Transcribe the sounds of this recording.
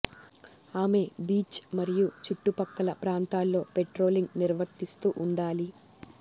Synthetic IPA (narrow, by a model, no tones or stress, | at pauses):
aːme̞biːt͡ʃmɐɾijut͡ʃuʈːupɐkːɐlɐpɾaːnt̪aːlːo̞ːpeʈɾo̞ːliŋɡniɾʋɐt̪ːist̪uːʔuɳɖaːli